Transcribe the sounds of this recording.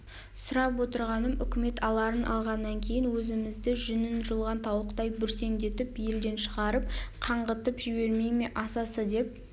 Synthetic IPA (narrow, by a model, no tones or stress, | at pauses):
sʊɾɑp̬wo̞t̪əɾʁɑnəmʏkʲɪme̞t̪ʰɑlˠɑɾənʔɑ̰lˠʁɑnːɑŋkʲʰe̞jɪnwɵzɪmɪzd̪ɪʒʏnɪnʒəlˠʁɑnt̪ʰɑwəqt̪ɑjbʏɾse̞ŋd̪e̞t̪ɪpje̞ld̪e̞nʃəʁɑɾəp̚qʰɑɴʁət̪əpʒɪbe̞ɾme̞ŋme̞ʔɑsɑsəd̪e̞p̚